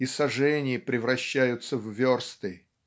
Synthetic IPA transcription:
isɐʐɛnʲɪjəpɾʲɪvɾɐɕːæjʊt̪səvvʲorst̪ɨ

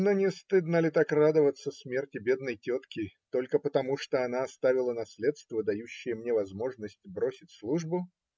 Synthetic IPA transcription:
nonʲɪst̪ɨd̪nəlʲɪt̪akrad̪əvət̪səsmʲe̞rtʲɪbʲed̪nəjtʲo̞t̪kʲɪt̪o̞lʲkəpət̪ɐmuʂt̪oɐnaɐst̪avʲɪlˠənɐsʲlʲe̞t̪st̪vəd̪ɐjuɕːɪjəmnʲevɐzmo̞ʐnəsʲtʲbɾo̞sʲɪtʲslˠuʐbʊ

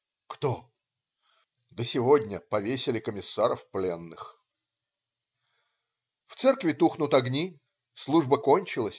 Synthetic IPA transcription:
kt̪o | d̪əsʲɪvodʲnʲəpɐvʲesʲɪlʲɪkəmʲɪsːaɾəfplʲe̞nːɨx | ft̪sɛrkvʲɪt̪uxnʊt̪ɐɡnʲi | slˠuʐbəkonʲt͡ɕɪlˠəsʲ

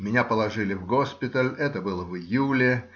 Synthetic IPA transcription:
mʲɪnʲapəlˠɐʐɨlʲɪvɡo̞spʲɪt̪əlʲɛt̪əbɨlˠəvɪjulʲɪ

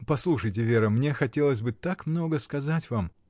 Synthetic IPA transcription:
pɐslˠuʂəjt̬ʲɪvʲeɾəmnʲe̞xɐtʲe̞lˠəzʲsʲbɨt̪akmno̞ɡəskɐzatʲvam

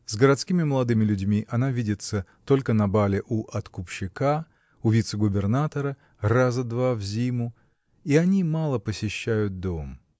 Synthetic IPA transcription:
zɡəɾɐt̪skʲimʲɪməlˠɐd̪ɨmʲɪlʲʉdʲmʲiʔɐnavʲidʲɪt̪sət̪o̞lʲkənɐbalʲɪʔuʔɐt̪kʊpɕːɪka | ʊvʲit̪sɨɡʊbʲɪrnat̪əɾə | razəd̪vavzʲimʊ | iɐnʲimalˠəpəsʲɪɕːæjʊt̪̚d̪o̞m

